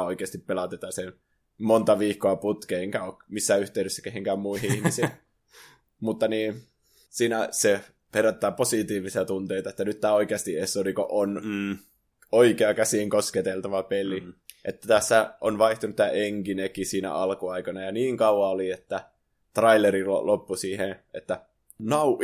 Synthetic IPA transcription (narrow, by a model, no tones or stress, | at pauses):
oikeɑst̪ippelɑt̪et̪ɑsen | mont̪ɑʋiːkːoɑput̪keeŋkæoːkmisːæyht̪eˑydøsːæ̥keheŋkæːmmuihiihmisi | mut̪ːɑniːn | siːnæse | peræt̪ːæːposit̪iːʋisiɑt̪unt̪eit̪ɑet̪ːænyt̪t̪æːoikeɑst̪iesoliko̰ʔonː | oikeɑkæsiːŋkosket̪elt̪ɑʋɑpeliʔet̪ːæt̪æsːæonʋɑiht̪unut̪t̪æːʔeŋkinekisiːnæ̰ʔɑlkuɑikɑnɑjɑniːŋkɑuɑoliet̪ːæ | t̪rɑileɾilo̰lʔopːusiːheʔet̪ːæ | nɑu